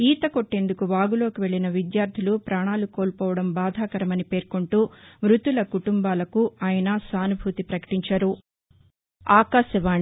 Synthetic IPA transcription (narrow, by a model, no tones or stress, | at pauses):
iːt̪ɐkoʈːe̞nd̪ukuʋaːɡulo̞ːkiʋe̞ɭːinɐʋid̪jaːɾd̪ʱilupɾaːɳaːluko̞ːlpɔːʋɐɽɐmbaːd̪ʱaːkɐɾɐmɐnipe̞ːɾkoɳʈuːmɾut̪ulɐkuʈumbaːlɐkuaːjɐnɐsaːnubʱut̪ipɾɐkɐ̥ʈiɲt͡ʃaɾu | aːkaːʃɐʋaːɳ